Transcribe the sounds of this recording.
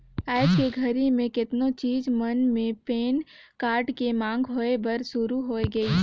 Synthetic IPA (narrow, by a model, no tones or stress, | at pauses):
aːd͡ʒkeɡʱɐɾimẽkɪt̪not͡ʃiːzmɐnmẽpeːn | kaːɾʈkemãːŋɡɦoːebɐɾsʊɾuɦoːeɡɐi